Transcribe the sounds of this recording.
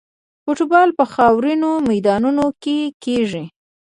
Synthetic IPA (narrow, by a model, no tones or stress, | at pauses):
foʈubɑlpəxɑwɾinomajd̪ɑnunokekeʐi